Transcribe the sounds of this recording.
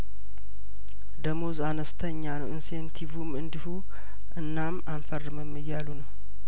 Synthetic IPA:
d̪əmozanəst̪ʰəɲːanəwɨnsent̪ʰivumɨnd̪ihu | ɨnːamanfərːɨməmːɨjːalunəw

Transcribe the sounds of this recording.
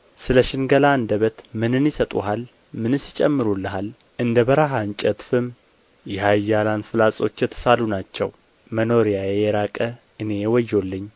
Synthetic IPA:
sɨləʃɪnɡəlaɨnd̪əβət̪mɨnɨnjɪsət̪ʼuɦal | mɨnɨsɪt͡ʃʼɛmːɨɾulːəɦal | ʔɨnd̪əβəɾaɦant͡ʃʼət̪fɨm | jɛhajːalanfɨlasʼo̞t͡ʃːjɛt̪ʰːə̥salunat͡ʃːɛ̰w | məno̞ɾijajɛjɛɾakʼə | ʔɨne̞jɛwɔjːo̞lːɨɲː

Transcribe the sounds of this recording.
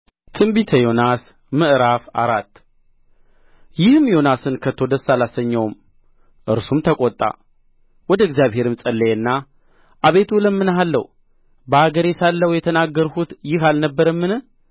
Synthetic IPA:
t̪ʰɨmbit̪ʰəjo̞nas | mɨʔɾafa̰ɾat̪ː | jɪhɨmjo̞nasɨnkʰət̪ʰːo̞d̪əsːalasəɲːəwm | ʔɨɾsumt̪ʰəkʼɔt̪ʼːa̰ | wɔd̪əɡzijaβɦhe̞ɾɨmsʼəlːeɨnːa | ʔaβe̞t̪ʰuləmːɨnɦalːəw | bəaɡəɾesalːəwjɛt̪ʰənaɡːəɾhut̪jɪhalnəbːəɾəmːɨnɨ

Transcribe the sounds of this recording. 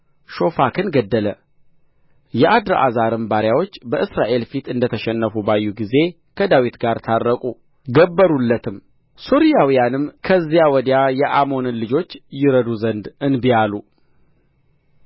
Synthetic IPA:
ʃo̞fakʰɨnɡəd̪ːələ | jɛʔad̪ɾəʔa̰zaɾɨmbaɾjawo̞t͡ʃːbəʔɨsɾaʔe̞lfit̪ɨnd̪ət̪ʰəʃɛnːəfubajːuɡize̞ | kʰəd̪awit̪ɡaɾt̪ʰarːəkʼu | ɡəbːəɾulːət̪ʰɨm | soɾijawijanɨmkʰəzːjawɔd̪jajɛʔamo̞nɨnlɨd͡ʒo̞t͡ʃːjɪɾəd̪uzənd̪ɨnbijalu

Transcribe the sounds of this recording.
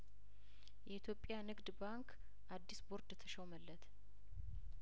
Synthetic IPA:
jɛit̪ʰjo̞pʼjanɨɡd̪baŋk | ʔad̪ːisboɾd̪ɛt̪ʰəʃəwməlːət̪ʰ

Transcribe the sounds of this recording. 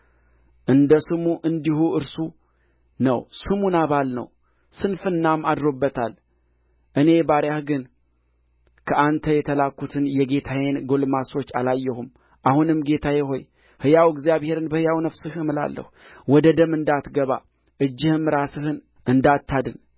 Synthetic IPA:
ʔɨnd̪əsɨmuʔɨnd̪ihuɨɾsu | nə̰wsɨmunaβalnə̰w | sɨnfɨnːamad̪ɾo̞bːət̪ʰal | ʔɨne̞baɾjahɡɨn | kʰəʔant̪ʰəjɛt̪ʰəlakːut̪ʰɨnjɛɡe̞t̪ʰajenɡo̞lmaso̞t͡ʃːalajːɛhum | ʔahunɨmɡe̞t̪ʰajɛɦo̞̰j | hɨjawɪɡzjaβhe̞ɾɨnbəhɨjawnəfsɨhɨmɨla̰lːə̰hu | wɔd̪əd̪əmɨnd̪at̪ɡəβa̰ | ʔɨd͡ʒːɪhɨmɾasɨhɨn | ʔɨnd̪at̪ʰːad̪ɨn

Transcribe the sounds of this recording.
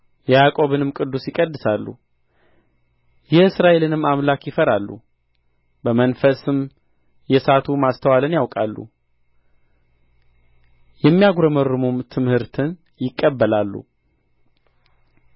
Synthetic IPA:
jɛjakʼo̞βɨnɨmkʼɨd̪ːusjɪkʼəd̪ːɨsalːṵ | jɛɨsɾaʔe̞lɨnɨmːamlakjɪfəɾalːṵ | bəmənfəsɨm | jɛsat̪ʰumast̪ʰəwalənjawkʼalːṵ | jɛmːijaɡɾəmərːɨmumt̪ʰɨmhɨɾt̪ʰɨn | jɪkʼːəbːəlalːṵ

